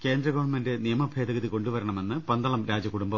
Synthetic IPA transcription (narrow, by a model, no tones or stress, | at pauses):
ke̞ːnd̪ɾrɐɡɐʋɐɳmende̞nijɐmɐbʱe̞ːd̪ɐɣɐðiko̞ɳɖuʋɐɾɐɳɐme̞nːɨpɐnd̪ɐɭɐmɾaːd͡ʑɐkuɽumbɐ